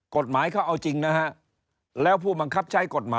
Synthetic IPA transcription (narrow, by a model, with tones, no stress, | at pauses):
ko˨˩t̪̚maː˩˦jkʰa˥˩wʔa˧wt͡ɕi˧ŋna˦˥ɦa˦˥ʔ | lɛː˦˥wpʰuː˥˩ba˧ŋkʰa˦˥p̚t͡ɕʰa˦˥jko˨˩t̪̚maː˨˦